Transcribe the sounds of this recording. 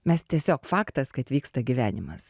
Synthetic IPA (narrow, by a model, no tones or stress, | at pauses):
mʲɛst̪ʲiɛsʲoːkfɑːkt̪ɐskɐɐt̪ʲʋʲiːkst̪ɐɡʲiʋʲæːnʲɪmɐ̰s